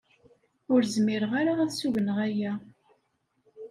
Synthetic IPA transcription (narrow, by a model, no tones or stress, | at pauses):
ʊɾzmɪɾəʁaɾaæðsuʝənəʁæjæ